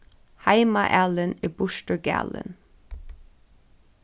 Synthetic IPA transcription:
haɪmaʔælənɪbʊʃtəɹɡæ̰ːlə̰n

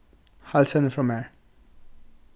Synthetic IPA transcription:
halsə̃nəfɹɔ̃mɛɹ

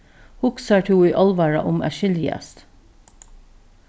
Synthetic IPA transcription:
hʊksɑʈʰuːiːʔɑlʋɑɹɑ̰ʔʊmæ̰ʃɪljæ̰st̪

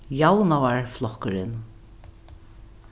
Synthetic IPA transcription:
jawnavaɹflɔhkʏɾɪn

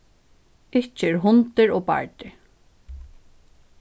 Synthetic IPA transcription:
ɪht͡ʃːɪɛɾɦʊnt̪ɪɾɔːpa̰ɹt̪ɪ

